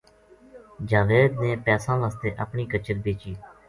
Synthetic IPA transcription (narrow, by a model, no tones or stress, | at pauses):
d͡ʒaːʋeːd̪nẽːpɛːsãːlaːst̪eːʔəpɳiːkət͡ʃəɾbeːt͡ʃiː